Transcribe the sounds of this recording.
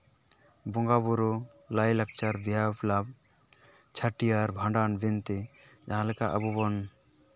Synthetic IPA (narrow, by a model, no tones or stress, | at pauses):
bɔŋɡabuɾɔ | lajlak̚t͡ʃaɾbiaplab̚ | t͡ʃʰaʈijaɾbʱãɳɖanbɛnt̪ɛd͡ʒaɦãlɛkaʔə̰bubɔn